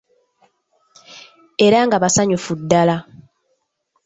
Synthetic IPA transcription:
e̞ɾaŋɡaβasaɲufudːala

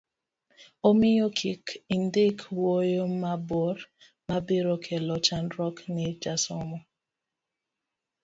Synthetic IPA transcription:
omɪjokʰikindɪkwojomabɔɾ | mabeɾokʰelɔt͡ʃandɾɔknɪd͡ʒasɔmɔ

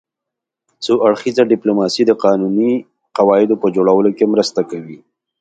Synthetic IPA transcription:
t͡soʔaɽxizaɖɪplomɑsid̪əqɑnuni | qawɑjɪd̪opəd͡ʒoɽawəlokemɾəst̪akawi

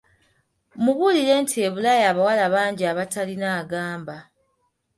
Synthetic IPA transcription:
muβuliɾe̞ntʰie̞βulajaːβawalaβaːɲɟiaβatalinaːɡaːmba

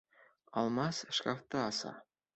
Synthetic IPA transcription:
ɑlˠmɑsʂkɑft̪ɤɑsɑ̰

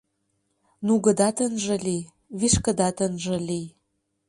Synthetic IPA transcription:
nuɡə̆d̪ɑt̪ənʒə̆li | βiʃkə̆d̪ɑt̪ənʒə̆lij

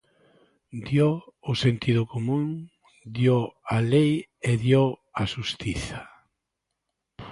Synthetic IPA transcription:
d̪joʊsent̪iðʊkomũŋ | d̪joalejeðjoaʃust̪iθɐ

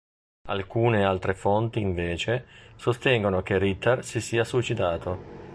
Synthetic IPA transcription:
a̰lkuːnealt̪ɾefont̪iːɱveːt͡ʃesost̪ɛŋɡonok̟erit̪ːarsisiːaswit͡ʃid̪aːt̪o

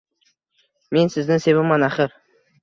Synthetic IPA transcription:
me̞nsɪzd̪ɪŋseβɪmɑnɑχəɾ

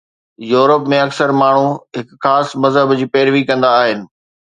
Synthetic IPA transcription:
juːɾəpmẽɐksəɾmaːɳ̤ũɦɪkxaːsmɐzɦəbd͡ʑiːpɛːɾʋikɐ̃nd̪aːɦɪnɪ̆

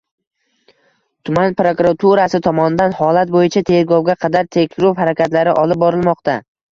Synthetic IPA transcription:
t̪ʰʊmanpɾokɾat̪ʰuɾasɪt̪ʰɒmɒnɪd̪anhɒlat̪̚bojɪt͡ʃʰat̪ʰe̞ɾɡɒwɡʲaqʰɑd̪aɾt̪ʰe̞kʲʰɾowhaɾakʲat̪laɾɪʔɒlɪp̚bɒɾɪlˠmɒqt̪a

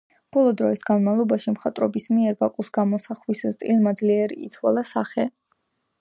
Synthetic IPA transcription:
b̥ɔlˠɔd̪ɾɔisɡanmalˠɔbaʃimχat̪ʼɾɔbismiɛɾbakʼusɡamɔsaχwiszt̪ʼilmad̪zliɛɾḭːt̪sʰwalˠasaχɛ

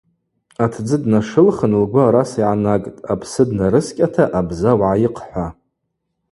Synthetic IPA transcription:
atʰd͡zɨdnaʂɨlχənlɡʷaːɾasiʕanakʼtʼapʰsɨdnaɾɨskʲʼatʰaʔabzawʕajiqʰħʷa

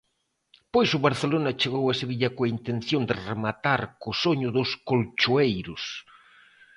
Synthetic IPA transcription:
pojsʊβaɾθelonɐt͡ʃeɣowaseβiʎɐkoaint̪en̟θjond̪ɪremat̪aɾkʊsoɲʊðʊskolt͡ʃuejɾʊs

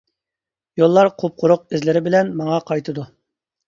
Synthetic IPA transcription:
jolˠːɑɾqʰop̚qʰʊɾʊq̚ɪzlɪɾɪbɪlɛnmɑŋɑqʰɑjt̪ʰɨd̪u

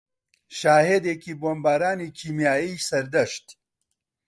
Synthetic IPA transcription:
ʃaːhed̪eːkiːboːmbaːɾaːniːkʰiːmjaːjiːsɐɾd̪ɐʃt̪

